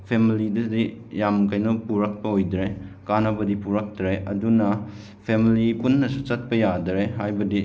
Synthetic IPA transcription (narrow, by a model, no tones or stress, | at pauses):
pʰemilidɐdijamkajnupuɾɐk̚pɐojdɾekanɐbɐdipuɾɐk̚tɾeɐdunɐ | pʰemilipunːɐsut͡ʃɐt̚pɐjadɾeɦajbɐdi